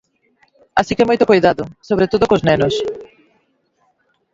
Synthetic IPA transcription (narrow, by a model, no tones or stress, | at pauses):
asikɛmojt̪okojðaðʊsoβɾet̪oðokoznɛnʊs